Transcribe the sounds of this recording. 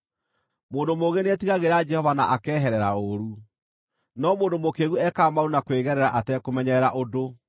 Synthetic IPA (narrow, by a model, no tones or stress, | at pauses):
moːndomoɣeneɛtiɣaɣeɾad͡ʒɛhɔvanaʔakɛːɦɛɾɛɾa̰oɾu | nɔmoːndomokeɣuɛkaːmaounakweɣɛɾɛɾaʔatɛkomɛɲɛɾaʔodo